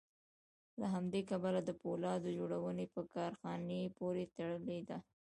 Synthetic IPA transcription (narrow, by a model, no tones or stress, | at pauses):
laɦamd̪ekabalad̪əpolɑd̪əd͡ʒoɽawənepəkɑɾxɑnepoɾet̪aɽəled̪a